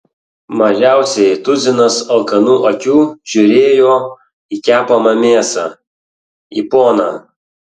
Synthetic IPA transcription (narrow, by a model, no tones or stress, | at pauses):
mɐʒʲæˑʊsʲɛɪt̪ʊzʲɪnɐsɐlˠkɐnuːʔɐkʲuːʒ̥ʲʊɾʲeːjoː | ikʲæːpɐmɐmʲeːsɑː | ḭpoːnɑː